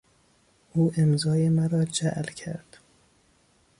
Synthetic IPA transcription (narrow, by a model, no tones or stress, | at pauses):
ʔuːʔemzɒːjemæɾɒːd͡ʒæʔlcʰæ̰ɾd̪̥